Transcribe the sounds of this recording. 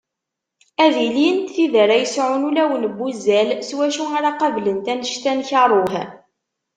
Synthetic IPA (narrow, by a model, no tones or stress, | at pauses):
æðiliənt̪θiðəɾæjəsʕʊnulæwənbːuzælswæʃuaɾaqɑvlənt̪ænəʃt̪ænçɑɾˤoħ